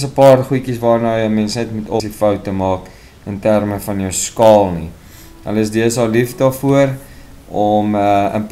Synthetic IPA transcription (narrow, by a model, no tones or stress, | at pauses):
səpɑːrχujkisvɑːrnəjəmɛnsnɛtmutɔsifœwtːəmɑːk | əntærməfɐnjœwskɑːlˠni | ɦə̰ləəsdiəsɑːlifdɑːfuər | ɔməə̰np